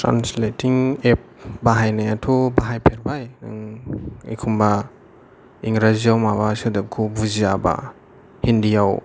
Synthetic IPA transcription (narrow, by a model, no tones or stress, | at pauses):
tʰɾa̰nsletiŋep̚baɦajnajatʰubaɦajpʰeɾbajna̰ŋḭkʰumba | iŋɾaziawmabasɯdep̚kʰubuziaba̰ | hindijaw